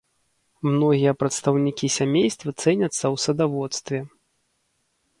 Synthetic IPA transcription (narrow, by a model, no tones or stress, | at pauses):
mnɔɣʲijɐpɾɐt̪st̪ɐwnʲikʲisʲamʲejst̪vɐt̪sɛnʲɐt̪sːɐwsɐd̪avɔt̪st̪vʲɛ